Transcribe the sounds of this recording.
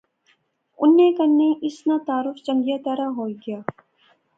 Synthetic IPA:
ʊnːekɐnnːeʔɪsnat̪aːɾʊft͡ʃɐ̃ŋɡijat̪ɐɾaɦoːɡɪjaː

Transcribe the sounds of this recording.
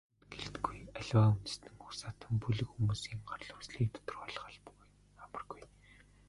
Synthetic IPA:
ɡ̥eɮt̪ɡujæɮwaːunt̪̆st̪ɘ̆ŋxu̥saːt̪ə̆mpuɮɘ̆xxumuːsiːŋɢarɮʊːksɮiːk̚t̪ʰɔ̥t̪ɵ̥̆rʁɔːɮ̆χə̆ɮpu̥ɣ | amə̆rɡuj

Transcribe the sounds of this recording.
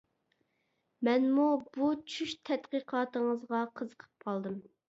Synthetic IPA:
mɛnmubut͡ʃʰyʃt̪ʰɛt̪qəqʰɑːt̪əŋəzʁɑqʰəzəqʰə̥p̚qʰɑlˠd̪ɨm

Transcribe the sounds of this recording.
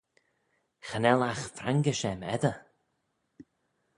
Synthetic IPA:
xənɛlaxfɾaŋɡəʃɛmɛ̰d̪ə

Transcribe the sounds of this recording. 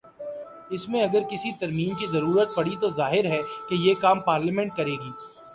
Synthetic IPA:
ɪsmẽɐɡəɾkɪsit̪ɐɾmiːmkizɐɾuːɾət̪̚pɐɽit̪ozaːɦɪɾɦɛkejeːkaːmpaːɾlɪmɛ̃ɳʈ̚kɐɾeːɡiː

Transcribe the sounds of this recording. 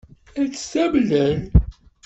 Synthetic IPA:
æt͡sːə̥sæbləl

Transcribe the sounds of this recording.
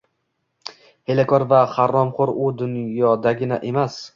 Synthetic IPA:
helakʰɒɾvaχaɾːɒmχʊɾʊd̪ʊnjɒd̪aɡʲɪna̰ʔe̞mas

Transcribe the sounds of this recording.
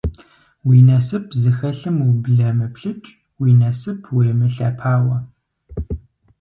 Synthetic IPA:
wiːnɐsɨpʰzɨxɐɬɨmwubɮɐmɨpɬɨt͡ʃʼ | wiːnɐsɨpʰweːmɨɬɐ̰pʰaːwɐ

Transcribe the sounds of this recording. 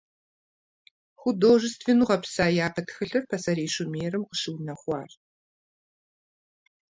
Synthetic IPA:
xʷʊdoːʒɨstʰvenuːʁɐpsaːjaːpɐtxɨɬɨrpʰɐsɐɾeːɕʊmeːrɨmqəʃɨwnɐχʷɑːr

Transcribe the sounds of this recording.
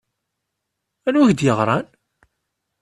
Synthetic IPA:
ænwæçd̪jəʁɾˤɑn

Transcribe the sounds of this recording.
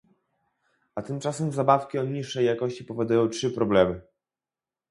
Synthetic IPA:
at̪ɘmt͡ʂasɛmzabafkʲiɔɲiʂːɛjːakɔɕt͡ɕipɔvʲɔd̪ujɔ̃w̃tʂɘpɾɔblɛmɘ

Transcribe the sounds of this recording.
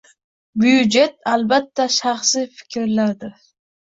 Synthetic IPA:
byjud͡ʒe̞t̪albat̪ʰːaʃɑχsifɪ̥kʲʰɾlaɾd̪ɪɾ

